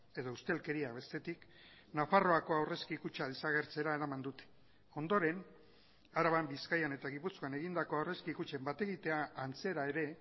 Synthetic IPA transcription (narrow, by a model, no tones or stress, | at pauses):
e̞ðo̞ust̪e̞lke̞ɾiaβe̞st̪e̞t̪ik | nafaro̞ako̞awre̞skiːkut͡ʃalisaɣ̞e̞ɾt͡se̞ɾae̞ɾamand̪ut̪e̥ | o̞nd̪o̞ɾe̞n | aɾaβambiskajane̞t̪aɣipusko̞ane̞ɣind̪ako̞awre̞skiːkut͡ʃe̞mbat̪e̞ɣit̪e̞aːnt͡se̞ɾae̞ɾe̞